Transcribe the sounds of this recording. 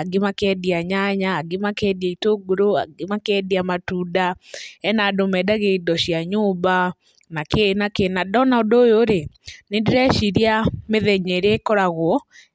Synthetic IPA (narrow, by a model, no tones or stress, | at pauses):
aɡimakɛdiaɲaɲaːɡimakɛdaitoɡoɾoa̰ɡimakɛdiamatuːdaɛnadomɛdaɣeidɔɕiaɲuba | nakenakenadɔnaodojoɾenendeɾɛʃiɾiameðɛɲeɾekɔɾaɣwɔ